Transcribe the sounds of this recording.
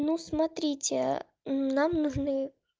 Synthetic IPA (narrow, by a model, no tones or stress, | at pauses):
nusmɐt̪ɾʲitʲɪ | namnuʐnɨ